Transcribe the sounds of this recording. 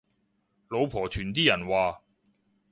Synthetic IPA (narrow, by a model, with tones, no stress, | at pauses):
lo˨˧wpʰɔː˨˩t͡ʃʰyː˨˩nt̪̬iː˥jɐ˨˩nwaː˨